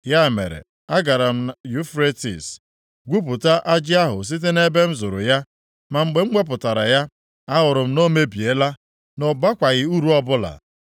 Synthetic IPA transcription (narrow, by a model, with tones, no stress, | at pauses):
ja˦˨mḛ˨ɾḛ˨ | a˦ɡa˨ɾa˨m̩˦ju˦fɾe˦tḭ˨s | ɡʷu˦p̬ʊ˨ta˦ʔa˦d͡ʒɪ˦a˦ɦʊ̰˨s̬i˦t̬e˦ne˦be˦n̩˦zʊ˨ɾʊ̰˨ja˦ | ma˨ŋ͡m̩˨ɡ͡be˨ŋ͡m̩˦ɡ͡be˦p̬ʊ˨ta˨ɾa˨ja˦ | a˦ɦʊ˨ɾʊ˨m̩˦no˦me˦bi˨e˦la˦ | nɔ˨ba˦kʷa˨ɣɪ˦u˦ɾu˦ɔ˦bʊ˦la̰˨